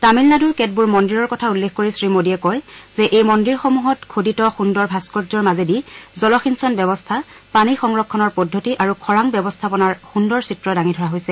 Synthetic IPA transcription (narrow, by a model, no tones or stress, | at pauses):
tamilnaduɹkɛt̚buɹmɔndiɹɔɹkɔtʰaulːexʰkoɹisɹimodiɛkɔjzɛʔejmɔndiɹxomuɦɔtkʰoditɔxundɔɹbʱaskɔtzɔɹmazedizɔlɔxinsɔnbjɔbɔstʰa | panixɔŋɹɔkʰːɔnɔɹpɔdʱːotiʔaɹukʰɔɹaŋbjɔbɔstʰapɔnaɹxundɔɹsitɹɔdaŋidʱɔɹaɦojsɛ